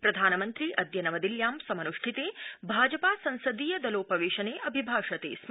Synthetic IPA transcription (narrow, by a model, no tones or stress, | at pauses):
pɾɐd̪ʱaːnɐmɐnt̪ɾiʔɐd̪jɐnɐʋɐd̪iljaːmsɐmɐnuʂʈʰit̪eːbʱaːd͡ʒɐpaːsɐ̃nsɐd̪iːjɐd̪ɐloːpɐʋeːʃɐneːʔɐbʱibʱaːʂɐt̪ḛːs